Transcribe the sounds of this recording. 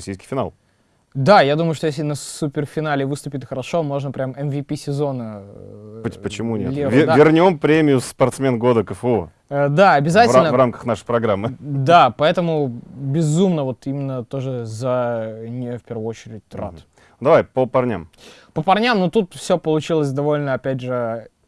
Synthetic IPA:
sʲijskʲɪ̥fʲɪna̰lˠ | d̪ajad̪uməjʊʂt̪ojes̬ʲlʲɪnɐsupʲɪrfʲɪnalʲɪvɨst̪ʊpʲɪtʲxəɾɐʂo̞mo̞ʐnəpɾʲamɛnvʲipʲisʲɪzo̞nə | ʊtʲpət͡ɕɪmunʲḛlʲivʲvʲɪrnʲo̞mpɾʲemʲɪjʊsːpɐrt̪smʲenɡo̞d̪əkəfəo̰ | əd̪aɐbʲɪzatɪvɪlnəvramkə̥xnaʂəjpɾɐɡɾamːɨd̪apɐɛt̪əmʊbʲɪzumnəvo̞t̪imʲɪnːət̪o̞ʐɨzənʲɪfpʲe̞rvəot͡ɕɪɾʲɪt̚ʲt̪ra̰t̪ | d̪ɐvajpəpɐrnʲa̰mpəpɐrnʲamnot̪ut̪fsʲopəlˠʊt͡ɕilˠəs̬ʲd̪ɐvo̞lʲnəɐpʲædʲʐɨ

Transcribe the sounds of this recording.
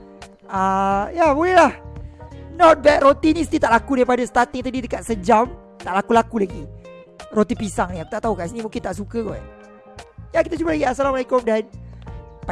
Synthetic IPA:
ajabolɛɦlah | nɔt̪̚bɛt̪̚rot̪inis̬t̪it̪aʔlakudaɾipadast̪at̪ɪŋt̪adidəkat̪̚səd͡ʒam | t̪aʔlakulakulaɡi | rot̪ipisaŋniakut̪aʔt̪aɦukasinĩmũŋkɪnt̪aʔsukəɡɔ | jakit̪at͡ʃubalaɡiasalamalekʊmdan | p

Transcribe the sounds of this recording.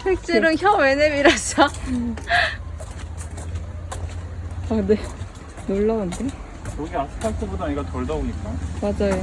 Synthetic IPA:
wek̚t͡ɕ͈iɾɯnçjʌwe̞nemiɾasa | ane̞ | noɭːaunde | jʌɡeasʰɯ̥kʰatʰɯbudaɲiɡatʌɭdʌoɲik͈amad͡ʑajo

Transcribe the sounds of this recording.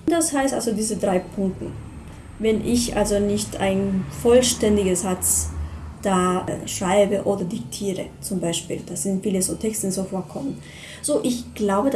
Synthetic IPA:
d̥ashaɪstʔa̰lzodiːzədʁaɪpʰʊŋk̚tn̩ | vɛnʔɪçʔa̰lzonɪçtʔa̰ɪnfɔlʃtɛndɪɡəszat͡sd̥aːʃʁ̥aɪbəʔoːdɐdɪk̚tʰiːʁə̰t͡sʊmbaɪʃpḭːld̥az̥ɪntfiːləzoːtʰɛkstəzofoːɐkʰɔmən | z̥oːʔɪçɡ̥laʊbəd

